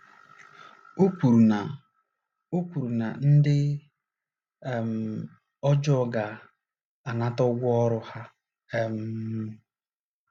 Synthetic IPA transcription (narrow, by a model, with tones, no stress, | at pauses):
o˦kʷu˨ɾu˨na˨ | o˦kʷu˨ɾu˨na˨n̩˦dɪ˦˨ | m̩˨ | ɔ˦d͡ʒɔ˦˨ɡa˨ | a˨na˦tɔ˦ɡʷʊ˦ɔ˦ɾʊ˦ha˦ | e˦m̩˦